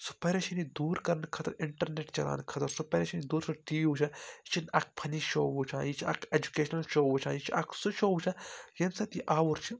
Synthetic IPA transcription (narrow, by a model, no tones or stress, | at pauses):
su̥pɐɾɐt͡ʃʰinid̪uːɾkɐɾɐnkʰɐt̪ɐɾɪɳʈɐɾneːʈt͡ʃɐla̰ːnkʰɐt̪ɐɾsupɐɾet͡ʃʰinid̪uːɾsɐʈiːʋut͡ʃʰãt͡ʃʰinɐk̚pʰɐniʃoːʋut͡ʃʰãːjit͡ʃʰɐ̰kʰed͡ʒukeːʃnɐlʃoːʋut͡ʃʰãːjit͡ʃʰiɐkʰsuʃoːwut͡ʃʰɐ̃jɐnsɐt̪iʔaːʋuɾt͡ʃʰi